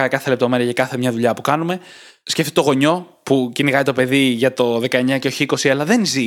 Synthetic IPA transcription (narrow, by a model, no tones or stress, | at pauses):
ɐkɐθele̞p̚t̪o̞me̞ɾiɐʝɐkɐθe̞mɲɐðuʎɐpukɐnume̞ | sceft̪it̪o̞ɣo̞ɲo̞ | puciniɣɐit̪o̞pe̞ðiʝɐt̪o̞ðe̞kɐe̞ɲɐceoçiiko̞siɐlɐðe̞nzi